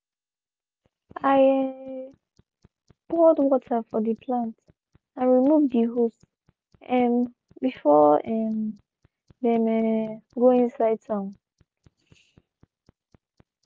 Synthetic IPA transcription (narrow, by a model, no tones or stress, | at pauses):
aɪɛ | b̥ɔdwɔtʰəfɔðəpʰlãnt | ãnɹimuvdiɦus | ɛm | bifɔɛm | ðɛ̃mɛɡoĩnsaɪd̚tʰãʊ̃n